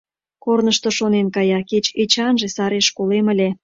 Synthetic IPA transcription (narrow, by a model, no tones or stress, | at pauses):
kornəʃt̪oʃonenkɑjɑket͡ɕet͡ɕɑnʒesɑɾeʃkoleməlʲe